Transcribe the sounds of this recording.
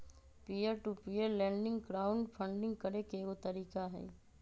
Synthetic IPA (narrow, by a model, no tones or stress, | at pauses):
piːəɾʈupiːəɾlɛ̃ːɳɖɪ̃ŋɡɡɾaːʊɳɖpʰə̃ɳɖɪ̃ŋɡkɐɾekeot̪ɐɾiːkaɦɛ̰ː